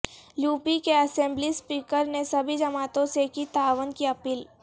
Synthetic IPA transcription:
juːpikeɐsɛ̃ːmblispiːkəɾnesɐbʱid͡ʒɐmaːt̪õsekit̪aːʋənkiɐpiːl

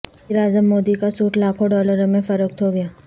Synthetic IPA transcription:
iɾaːzəmːoːd̪ikasuːʈlaːkʰõɖɔːləɾmẽfɐɾək̚t̪ʰoɡɐjaː

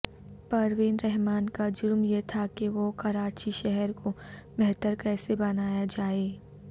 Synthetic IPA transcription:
pɐɾʋɪnɾɛɦmaːnkad͡ʒʊɾmjet̪ʰakeʋokɐɾaːt͡ʃiʃɛɦɛɾkobɛɦt̪əɾkɛːsebɐnaːjad͡ʒaːeː

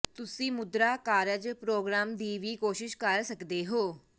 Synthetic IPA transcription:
t̪ʊsĩːmʊd̪ɾaːkaːɾəd͡ʒpɾoːɡɾaːmd̪iːʋiːkoːʃɪʃkəɾsəkd̪eːɦoː

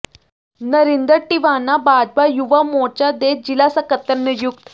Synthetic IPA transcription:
nəɾind̪əɾʈiʋanabad͡zbajuʋamot͡ɕad̪ed͡ʑilasəkət̪ənːəjuk̚t̪

